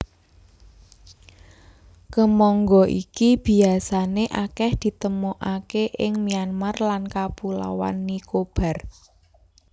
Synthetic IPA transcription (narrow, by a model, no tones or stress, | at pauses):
kəmɔŋɡɔʔḭkib̥i̤asaneʔakɛhd̪̥i̤t̪əmuʔakeʔɪŋmianmarlankapula̰wa̰nːikob̥ä̤r